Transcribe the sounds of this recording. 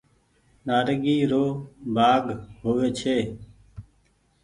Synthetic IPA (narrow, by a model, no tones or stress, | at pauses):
naːɾɡiːɾoːbʱaːɡɦoːʋeːt͡ʃʰeː